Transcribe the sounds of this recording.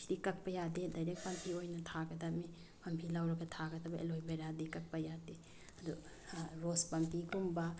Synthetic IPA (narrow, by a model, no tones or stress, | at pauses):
sdikɐk̚pɐjadedɐjɾek̚pɐmpʰiojnɐtʰaɡɐdɐmi | pɐmpʰilawɾɐɡɐtʰaɡɐd̪ɐbɐʔḛlojbeɾadikɐk̚pɐjade | ɐdṵ | ɾospɐmpikumba